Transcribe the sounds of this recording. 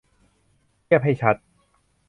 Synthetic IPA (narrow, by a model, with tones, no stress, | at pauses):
i˥˩əp̚ɦa˥˩jt͡ɕʰa˦˥t̪̚